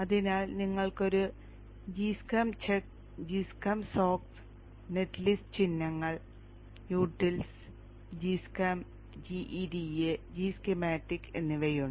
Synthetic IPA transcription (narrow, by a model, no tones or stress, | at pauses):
ɐðinaːlniŋːɐɭko̞ɾu | d͡ʑiːskɐmt͡ɕʰek̚ | d͡ʑiskɐmsoːks | net̪list͡ɕinːɐŋːɐɭ | juːʈːils | d͡ʑiskɐm | d͡ʑiʔiɖied͡ʑiːskemaːʈːikːe̞̰nːɨʋejuɳ